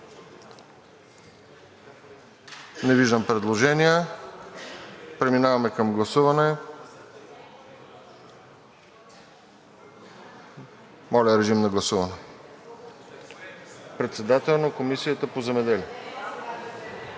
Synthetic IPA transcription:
nɛviʒd̪əmpɾɛd̪lˠoʒɛniə | pɾɛminavɐmɛkɐmɡlˠɐsuvɐnɛ | mɔlʲəɾɛʒimnɐɡlˠɐsuvɐnɛ | pɾɛt̪sɛd̪at̪ɛlˠnokomisijət̪əpozɛmɛd̪ɛlʲi

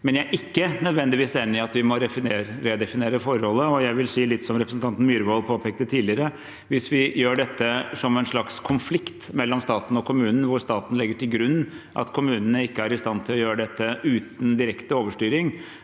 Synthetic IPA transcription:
mɛnjææɾʔɪkːənœd̪ʋɛnd̪ɪʋiːseːnːɪɑt̪ʋɪmɔɾɛfɪneːɾɾɛd̪ɛfɪneːɾəfɔɾɔlːəɔjæɪʋɪlsiːlɪt̪ːsɔmɾɛpɾəsnt̪ɑnt̪n̩myːɾʋoːlpʰoːpʰɛːk̚t̪ət̪ʰiːd̪lɪəɾə | ʋɪsʋɪjøːɖɛt̪ːəsɔmɛɪnʂɭɑkskʰʊnflɪkt̪mɛlːɔmst̪ɑːt̪n̩ɔkʰʊmʉːnən̩ʋʊɾst̪ɑːt̪n̩lɪɡːəʈʰɪlɡɾʉnːʔɑ̰t̪kʰʊmʉːnənəɪkːəæɾɪst̪ɑnt̪ʰɪlɔjøːɾəɖ̪ɛt̪ːəʉːt̪n̩d̪ɪɾɛkt̪əoːʋəʂʈyːɾɪŋ

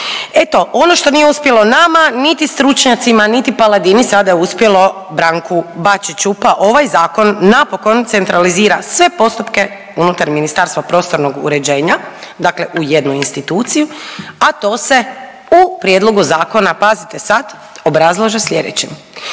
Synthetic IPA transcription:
e̞t̪o̞ʔo̞noʃt̪o̞nijeuspje̞lo̞namanit̪ist̪ɾut͡ʃɲat̪simanit̪ipalˠad̪inisad̪ajeuspjelo̞ | bɾaŋkubat͡ʃit͡ʃupaʔo̞ʋajzaːko̞nːapo̞ko̞nt̪se̞nt̪ɾaliziːɾasʋe̞po̞st̪upke̞ | unut̪aɾminist̪aːɾst̪ʋapɾo̞ːst̪o̞ɾno̞ɡṵɾe̞d͡ʑe̞ːɲad̪akle̞ʔuje̞d̪nuinst̪it̪uːt̪sijuat̪o̞ːse̞ | upɾje̞d̪lˠo̞ɡuzaːko̞napazit̪e̞sad̪ | o̞bɾazlˠaʒesʎʲe̞d̪ḛt͡ɕem

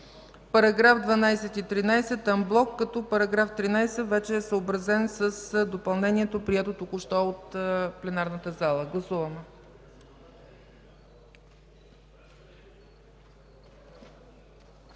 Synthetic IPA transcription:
pɐɾɐɡɾafd̪vɐnajsɛt̪it̪ɾinajsɛt̪ɐmblˠɔkːɐt̪ɔpəɾɐɡɾaft̪ɾinajsɛvɛt͡ʃɛːsəobɾɐzɛnsəsd̪opɐlˠnɛniɛt̪opɾiɛt̪ot̪okʊʃt̪ɔot̪plɛnaɾnət̪əzalˠəɡlˠɐsuvəmɛ

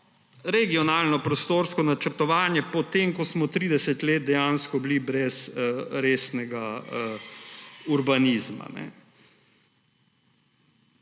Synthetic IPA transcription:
ɾɛɡiɔnaːlnɔpɾɔst̪oːɾskɔnat͡ʃəɾt̪ɔʋaːnjɛpɔt̪eːmkɔsmɔt̪ɾiːd̪ɛsɛt̪leːt̪̚d̪ɛjanskɔblibɾɛsəɾeːsnɛɡaə | uɾbaniːzma̰nɛ̰

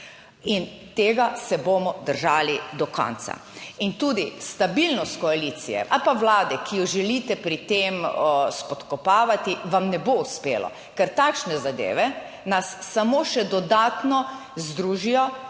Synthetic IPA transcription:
int̪eːɡasɛbomɔd̪əɾʒaːlid̪ɔkɔ̰̃nt̪sa̰int̪ud̪ist̪abilnɔst̪kɔalit̪sijɛ̰ʔalpaʋlaːd̪ɛkijɔʒɛlit̪ɛpɾit̪emspɔt̪kɔpaːʋat̪iʋamnɛbouspeːlɔ̰ | kɛɾt̪akʃnɛzad̪ḛːʋɛ | nasːamoʃɛd̪ɔd̪aːt̪nɔ | zd̪ɾuːʒijɔ

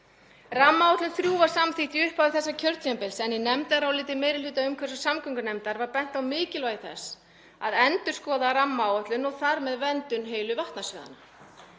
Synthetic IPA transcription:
ramːawɔt̪lʏnθɾjuːvaɾ̥samθiht̪iʏhpavɪθɛsːacʰœɾt̪jampɪlsɛnjɪnɛmt̪aɾawlɪːt̪ɪmeːjɾɪlʏːt̪aʏmkʰvɛɾsḁsamkʏŋkʏnɛmt̪aɾvaɾpɛn̥t̪awmɪːcɪlɔɣɪθɛ̰sː | a̰ðɛnt̪ʏɾ̥skɔːðaɾamːawɔht̪lʏnɔɣθaɾmɛðvɛnt̪ʏnɦeːjlʏvaht̪nasvʏːða̰na

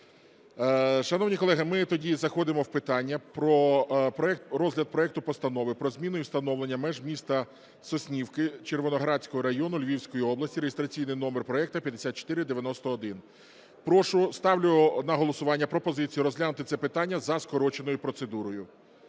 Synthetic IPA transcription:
ʃɐnɔwnʲikɔlˠɛɦɪmɪt̪ɔdʲizɐxɔd̪ɪmɔwpɪt̪ɑnʲːɐpɾɔpɾɔɛkt̪ɾɔzɦlʲɐd̪̚pɾɔɛk̚t̪ʊpɔst̪ɐnɔʋɪpɾɔzmʲinʊjʊst̪ɐnɔwlˠenʲːɐmɛʒmʲist̪ɐ | sɔsʲnʲiwkɪt͡ʃerʋɔnɔɦɾɑt͡sʲkɔɦɔɾɐɦjɔnʊlʲʋʲiwsʲkɔjiɔblˠɐsʲtʲiɾeɦest̪ɾɐt͡sʲijnɪjnɔmerpɾɔɛk̚t̪ɐpʲjɐd̪esʲat̪̚t͡ʃɔ̥t̪ɪɾɪd̪eʋʲjɐnɔst̪ɔːd̪ɪn | pɾɔʃʊst̪ɑwlʲʊnɐɦɔlˠɔsʊʋɑnʲːɐpɾɔpɔzɪt͡sʲijʊɾɔzʲlʲanʊt̪ɪt̪ɛpɪt̪ɑnʲːɐzɐskɔɾɔt͡ʃenɔjʊpɾɔt̪sed̪uɾɔjʊ

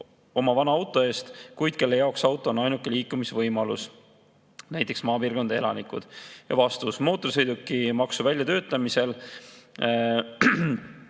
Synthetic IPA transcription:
o̞mɑvɑnɑɑwt̪ˑo̞e̞ːst̪kujd̪̥ke̞lːe̞jɑoksɑwt̪ːˑo̞onɑjnukːˑe̞liːkːˑumisevɤjmɑlus | næjt̪ːˑe̞ksmɑːpiːrɡo̞nd̪̥ee̞lɑnikˑṵd̪̥jɑ̰vɑst̪usmo̞ːt̪ːˑosɤjd̪ukːˑimɑksuvælʲjɑt̪ø̞ːt̪ːˑɑmise̞l

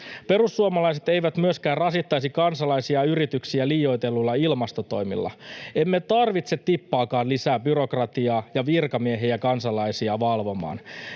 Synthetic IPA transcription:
pe̞ɾusːuɑmɑlɑjs̬et̪ejʋæt̪myøskæːrrɑsit̪ːɑjsikɑnsɑlɑjsiɑyɾit̪yksiæliːjo̞jt̪e̞lːulːɑilmɑst̪o̞t̪o̞̰jmḭlːɑ̰emːet̪ɑrʋit̪se̞t̪ːipːɑːkɑːnlisæːbyɾo̞krɑt̪iɑːjɑʋirkɑmieɦejækɑnsɑlɑjsiɑʋɑlʋo̞mɑ̰ːn

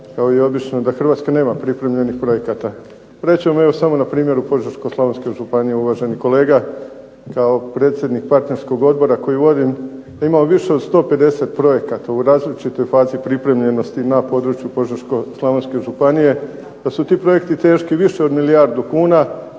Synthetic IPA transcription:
kaoieo̞bit͡ʃno̞d̪axr̩ʋaːt̪skane̞ːmapɾipɾe̞mʎe̞nixpɾo̞je̞kat̪a | ɾe̞t͡ɕemoe̞ʋo̞samo̞napɾiːmje̞ɾupo̞ʒeɾsko̞slˠaʋonske̞ʒupanijeuʋaːʒe̞niko̞leːɡa | kao̞pɾe̞ːt̪sje̞d̪nik̚paɾt̪ne̞ɾsko̞ɡo̞d̪̚bo̞ɾako̞jiʋo̞d̪imd̪aimamoʋiʃe̞od̪st̪o̞ːpe̞d̪e̞se̞t̪pɾo̞je̞kat̪auɾaːzlit͡ʃit̪o̞jfaːzipɾipɾe̞mʎe̞no̞st̪inapo̞d̪ɾut͡ʃjupo̞ʒaɾsko̞slˠaʋonske̞ʒupanije̞ | d̪̥asut̪iːpɾo̞je̞kt̪it̪e̞ːʃkiʋiʃe̞o̞d̪miliaɾd̪ukuːna

